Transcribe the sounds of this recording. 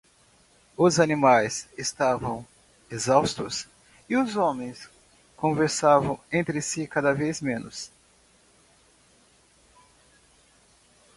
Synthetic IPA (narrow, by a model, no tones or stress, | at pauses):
ʊzanimajsest̪avɐ̃w̃ | ezawst̪ʊs | ɪʊzõmẽj̃s | kõveɾsavɐ̃w̃ẽnt̪ɾɪsikad̪ɐvejzmẽnʊs